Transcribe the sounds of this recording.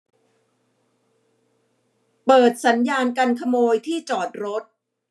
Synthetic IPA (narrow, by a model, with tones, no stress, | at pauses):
pɤː˨˩t̪̚sa˩˦njaː˧nka˧nkʰa˧moː˧jt̪ʰiː˥˩t͡ɕɔː˨˩t̪̚ɾo˦˥t̪̚